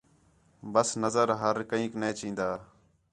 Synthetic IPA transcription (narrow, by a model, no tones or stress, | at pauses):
bəsnəzəɾɦəɾkəĩːkneːt͡ʃĩːnd̪aː